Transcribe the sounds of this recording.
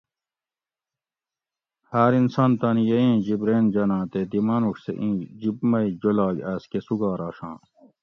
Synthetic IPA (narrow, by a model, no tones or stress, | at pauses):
haːɾinsɐnt̪ɐnijeẽːd͡ʑibɾeːnd͡ʑɐnãːt̪ed̪imɐnuksḛʔĩːd͡ʑibmɐid͡ʑolaːɡɐskesuɡaːɾɑːʂɑ̃ː